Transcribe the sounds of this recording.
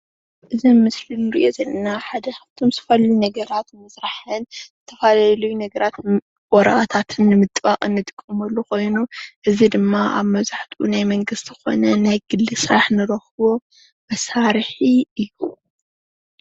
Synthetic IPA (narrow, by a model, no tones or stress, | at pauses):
ʔɨzimɨslinːɨɾḭʔo̞zɐlːɐnaħad̪ɐxɐft̪ʰo̞mzɨfɐlːinɐɡɐɾat̪mɐsɾaħɨnzɨt̪ʰɐfalalɐjunɐɡɐɾat̪ | wʼɔɾɐʔat̪ʰat̪ʰɨnːɨmɨt̪ʼbakʼɨnːɨt̪ʼɨ̥kʼːɨmɐlːuxo̞jnuʔɨzid̪ɨmːaʔa̰βmɐβzaħt̪ʰunajmɐŋɡɨst̪ɨxo̞̰nɐnajɡɨlːɨsʼɾaħnɨɾɐxɨβo̞ | mɐsaɾħiɨjːu